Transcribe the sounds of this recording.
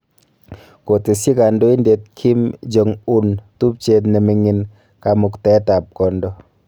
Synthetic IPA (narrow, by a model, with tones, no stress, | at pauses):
ko˨te˨si˦ka˨ndo˦i˦nde˨t̚kʰi˦md͡ʒɔ˨ŋu˦ntu˦p̚t͡ʃe˨t̬ne˨mi˨ŋɪ˨n | ka˨mʊ˨ktɛ˦ta˨p̚kɔ˨ndɔ˦